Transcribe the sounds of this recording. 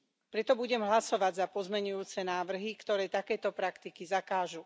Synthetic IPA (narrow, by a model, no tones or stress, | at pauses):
pɾɛt̪ɔbuɟɛmɦlasɔʋaɟzapɔzmɛɲujuːt͡sɛnaːʋr̩ɦikt̪ɔɾɛːt̪akɛːt̪ɔpɾakt̪ikizakaːʒu